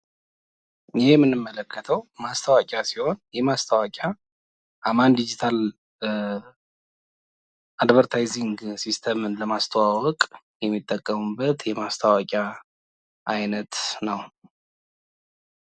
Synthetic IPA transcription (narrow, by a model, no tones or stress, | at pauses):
ɪhemːɨnːɨmːələkʰːət̪ʰəwmast̪ʰawakʼasiho̞njɛmast̪ʰawakʼa | ʔamand̪id͡ʒit̪ʰal | ad̪βəɾt̪ʰajziŋɡsist̪ʰəmɨnləmast̪ʰəwawɔkʼ | jɛmːit̪ʼːəkʼːəmubːət̪jɛmast̪ʰawakʼja | ʔajnət̪nəw